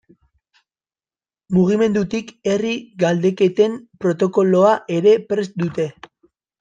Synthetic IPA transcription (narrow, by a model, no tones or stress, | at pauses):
muɣ̞ime̞nd̪ut̪ike̞riɡald̪e̞ke̞t̪e̞mpɾo̞t̪o̞ko̞lo̞aʔe̞ɾe̞pɾesd̪ut̪e̞